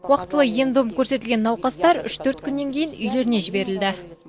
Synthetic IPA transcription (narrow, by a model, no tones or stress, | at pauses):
wɑqə̥t̪ːəlˠəje̞md̪omkʲʰɵɾse̞t̪ɪlɡʲenːɑwqɑst̪ɑɾʏ̰ʃt̪ʰɵɾt̪kʲʰʏnːe̞ŋkʲʰe̞jɪnʏjle̞ɾɪne̞ʒɪbe̞ɾɪld̪ɪ